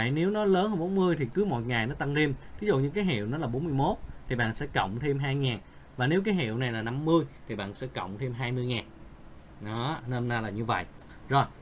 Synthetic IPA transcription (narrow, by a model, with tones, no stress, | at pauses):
jne˨˦wnɔ˨˦ləː˨˦nhə˧˩ɓo˨˦nmɨ˧əjt̪ʰi˨˩kɨ˨˦mo̰˨˩t̚ŋa˨˩jnɔ˨˦t̪a˧nzi˧mvi˨˦zṵ˧˨ɲɨ̰˧˥ŋkaː˨˦jɦḭ˧˨əwnɔ˨˦laː˨˩ɓo˨˦nmɨ˧əjmo˦˥t̚t̪ʰi˨˩ɓa̰ː˧˨nsɛ̰˧˥kə̰˧˨wŋ͡mt̪ʰe˧mɦaː˧jŋaː˨˩n | vaː˨˩ne˨˦wkaː˨˦jɦḭ˧˨əwna˨˩jlaː˨˩na˧mːɨ˧əjt̪ʰi˨˩ɓa̰ː˧˨nsɛ̰˧˥kə̰˧˨wŋ͡mt̪ʰe˧mɦaː˧jmɨ˧jŋaː˨˩n | ɗɔ˨˦nəː˧mna˧laː˨˩ɲɨ˧və̰˧˨jʔ | zo˨˩j